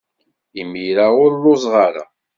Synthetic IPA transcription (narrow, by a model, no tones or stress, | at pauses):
imiɾaʊɾlʊzˤʁaɾa̰